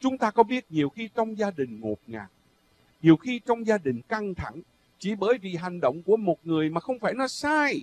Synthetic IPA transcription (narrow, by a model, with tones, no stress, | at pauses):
t͡ɕʊ˨˦ŋ͡mt̪aː˧kɔ˨˦ɓi˦˥ət̚ɲi˨˩əwxi˧t͡ɕɔ˧wŋ͡mzaː˧ɗï˨˩ŋ̟ŋo˨˩t̚ŋa̰ː˨˩k̚ | ɲi˨˩əwxi˧t͡ɕɔ˧wŋ͡mzaː˧ɗï˨˩ŋ̟ka˧ŋt̪ʰa˧˩ŋ | t͡ɕi˧˩˦ɓəː˨˩˦jvi˨˩ɦa˨˩jŋ̟ɗo̰˧˨wŋ͡mku˧˩əmo˨˩t̚ŋɨ˨˩əjmaː˨˩xə˧wŋ͡mfaː˧˩jnɔ˨˦saː˧j